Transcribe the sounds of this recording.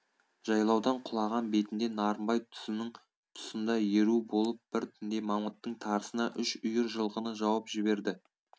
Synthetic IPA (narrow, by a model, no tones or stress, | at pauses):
ʒ̥ɑjlˠɑwd̪ɑɴqʰʊlˠɑʁɑnbe̞t̪ɪnd̪e̞nɑɾəmbɑjt̪ʰɪ | t̪ʰʊ̥sənd̪ɑje̞ɾubo̞lˠəp̚b̥ɪɾt̪ʰʏnd̪e̞mɑmət̪ːəɴt̪ʰɑɾəsənɑʔʏʃʊjɪɾʒəlˠʁənəʒɑwɑpʒ̥ɪbe̞ɾd̪ɪ